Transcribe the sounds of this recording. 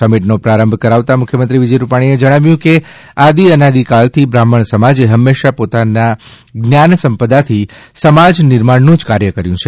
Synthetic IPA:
səmiʈnopɾaɾəmbʱkəɾaʋt̪amʊkʰjəmənt̪ɾiʋid͡ʒəjɾupaɽ̃ied͡ʒəɽ̃aʋjũke | ad̪iənad̪ikalt̪ʰibɾaməɳ̃səmad͡ʒeɦəmːeʃapot̪ana | ɡnjansəmpəd̪at̪ʰi | səmad͡ʒnɪɾmaɽnũd͡ʒkaɾjəkəɾjũt͡ʃʰe

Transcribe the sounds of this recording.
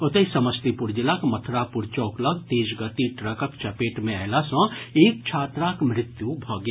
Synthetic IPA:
ʊt̪ɐisɐməst̪ipʊɾd͡ʒɪlakmɐt̪ʰɾapʊɾt͡ʃɔːklɐɡt̪eːʃɡət̪iʈɾəkəkt͡ʃɐpeːʈmẽɛːlasɔ̃ːeːk̚t͡ʃʰaːt̪ɾaːkmɾɪt̪jubʱɔːɡe

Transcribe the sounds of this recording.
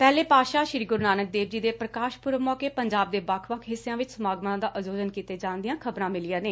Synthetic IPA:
pɛːleːpaːʃaːʃɾiːɡʊɾnaːnək̚d̪eːb̚d͡ʒiːd̪eːpɾəkaːʃpʊɾəʋmɔːkeːpəɲd͡ʒaːb̚d̪eːbakʰʋəkʰɦɪsːeãːʋɪt͡ʃsəmaːɡmãːd̪aːʔəzoːd͡ʒənkiːt̪eːd͡ʒaːnd̪ijãːkʰəbɾãːmɪlijãːneː

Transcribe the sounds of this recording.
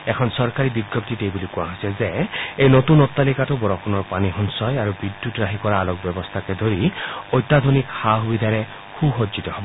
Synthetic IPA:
ekʰɔnsɔɹkaɾibiɡjɔp̚t̪it̪ejbulikuaɦɔsɛzeejnot̪unɔt̪ːalikatubɔɹɔkʰunɔɹpaniɦɔnsɔjaɾubid̪jutɹaɦikɔɾaːlɔk̚bɔbɔst̪ʰaked̪ʱoɾiojt̪ːad̪ʱonikhaɦbid̪ʱaɾe | xuɦod͡ʒit̪ɔɦɔbɔ

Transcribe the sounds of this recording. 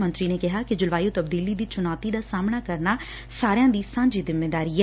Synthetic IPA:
mənt̪ɾiːneːkɪɦaːkɪd͡ʒʊlʋaːjoːt̪əb̚d̪iːliːd̪iːt͡ʃʊnɔːt̪iːd̪aːsaːmnaːkəɾnaː | saːɾejãːd̪iːsãːɲd͡ʒiːzɪmːeːd̪aːɾiːɛ

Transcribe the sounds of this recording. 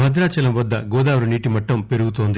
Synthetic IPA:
ɐd̪ɾaːt͡ʃɐlɐmʋɐd̪ːɐ̰ɡɔːd̪aːʋɾuniːʈimɐʈːɐmpeɾuɡut̪oːnd̪i

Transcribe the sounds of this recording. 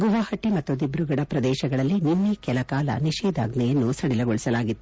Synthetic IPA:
ɡuʋaːhɐʈːimɐt̪ːud̪ibɾuɡɐɽɐpɾɐd̪ɛːʃɐɡɐɭɐlːininːikɛlɐkaːlɐ̰niʃɛːd̪ʱa̰ːɡnɐjɐnːusɐɽilɐɡoɭisɐlaːɡit̪ːu

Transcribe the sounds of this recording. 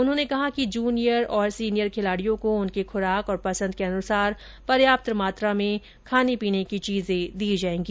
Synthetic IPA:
ʊnɦõːnekɐɦakid͡ʒuːnijəɾɔːɾsiːnijəɾkʰɪlaːɽijõkoʊnkixʰʊɾaːkɔːɾpɐsə̃nd̪̚keɐnʊsaːɾ | pɐɾjaːp̚t̪ɾəmaːt̪ɾamẽ | kʰaːnepiːnekit͡ʃiːzẽd̪iːd͡ʒaːẽːɡiː

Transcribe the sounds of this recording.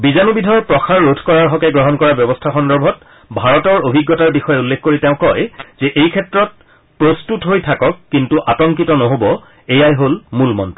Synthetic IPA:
bizanubidʱɔɹpɹɔxʰaɹːodʰʱkɔɹaɹɦɔkɛɡɹɔɦɔnkɔɹabjɔbɔstʰaxɔndɔɹbʱɔt | bʱaɹɔtɔɹobʱiɡːɔtaɹbixɔjɛulːekʰkoɹiteʊ̃kɔjz̥ɛʔejkʰɛtɹɔt̚ | pɹostutɦojtʰakɔkːintuʔatɔŋkitɔnɔɦobɔ | ejajɦolmulmɔnt

